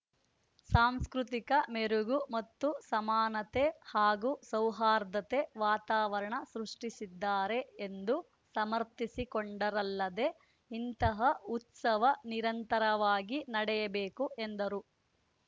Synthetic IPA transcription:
saːmskɾut̪ikɐmeɾuɡumɐt̪ːusɐmaːnɐt̪ehaːɡusɐwɦaːɾd̪ɐt̪eʋaːt̪aːʋɐɾɐɳɐsɾuʂʈisid̪ːaːɾe̞end̪u | sɐmɐɾt̪isikɔɳɖɐɾɐlːɐd̪e̞ | int̪ɐɦɐut̪sɐʋɐniɾɐnt̪ɐɾɐʋaːɡinɐɽɛjɐbeːkuʔend̪ɐɾu

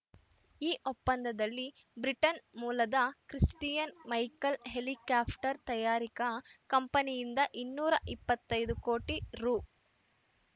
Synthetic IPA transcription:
iːʔopːɐnd̪ʱɐd̪ɐlːi | bɾiʈɐnmuːlɐd̪ɐkɾisʈijɐnmɐjkɐlɦelikjaːpʰʈɐɾt̪ɐjaːɾikɐkɐmpɐnijind̪ɐʔinːuːɾɐʔipːɐt̪ːɐjd̪uko̞ːʈiɾuː

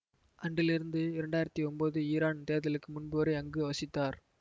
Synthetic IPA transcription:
ʔɐɳɖɪlɪɾɯnd̪ɯɪɾɛɳɖaːjɪɾɐt̪ːiɔmboːðɯiːɾaːnt̪eːðɐlɯkːɯmʊnbɯʋɐɾɐɪɐŋɡɯʋɐsɪt̪ːaːɾ

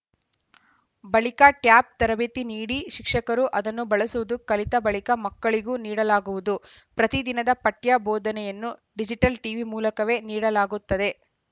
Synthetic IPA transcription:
bɐɭikaʈjaːp̚t̪ɐɾɐbeːt̪iniːɽiʃikʂɐkɐɾuʔɐd̪ɐnːubɐɭɐsuʋud̪ukɐlit̪ɐbɐɭikɐmɐkːɐɭiɡuːniːɽɐlaːɡuʋud̪u | pɾɐt̪id̪inɐd̪ɐpɐʈjaboːd̪ɐnɛjɐnːuɖid͡ʒiʈɐlʈiʋimuːlɐkɐʋe̞ːniːɽɐlaːɡut̪ːɐd̪e̞

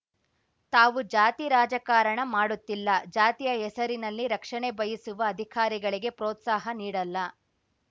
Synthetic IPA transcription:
t̪aːʋud͡ʒaːt̪iɾaːd͡ʒɐkaːɾɐɳɐmaːɽut̪ːilːɐd͡ʒaːt̪ijɐɛsɐɾinɐlːiɾɐkʂɐɳebɐjisuʋɐːd̪ʱikaːɾiɡɐɭiɡe̞pɾɔːt̪saːɦɐniːɽɐlːɐ

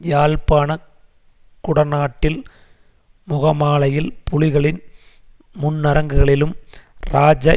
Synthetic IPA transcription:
jaːlpaːnɐ | kʊɽɐnaːʈːɪl | mʊɣɐmaːɭɐjɪlpʊlɪɣɐɭɪn | mʊnːɐɾɐŋɡɯɣɐɭɪlɯmɾaːd͡ʒɐ

